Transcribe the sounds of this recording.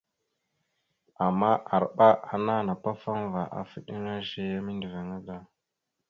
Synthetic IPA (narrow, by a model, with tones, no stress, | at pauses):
a˨mːa˦ʔa˨ɾɓa˦ʔa˨na˦˨na˨pa˦fa˦nva˨ʔa̰˨fi˦ɗi˦n˦ɾa˦ʃe˦ja˦mi˦ndi˨ve˨ŋa˦ɡa˦